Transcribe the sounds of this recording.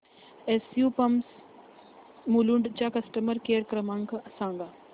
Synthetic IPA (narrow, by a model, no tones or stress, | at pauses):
esjupɐms | muluɳɖt͡ʃakɐsʈəməɾkeːɾkɾɐmaːŋkɐsãːŋɡa